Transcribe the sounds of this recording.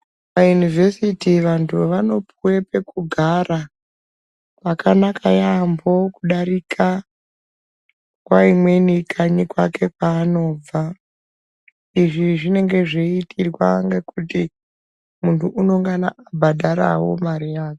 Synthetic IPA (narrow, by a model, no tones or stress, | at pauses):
ʋajunivʱe̞sitiʋantʰuʋano̞pʰuwe̞pe̞kuɡʱaɾa | pakanakʰajambo̞kuɗaɾikʰa | kwaimwe̞nikʰaɲikwake̞kwaːno̞ːb͡va | iʐiʐine̞ŋɡe̞ʐeitirwaŋɡekuti | muntʰuʔuno̞ŋɡana̰abʱaɗʱaɾa̰wo̞̰marijaːke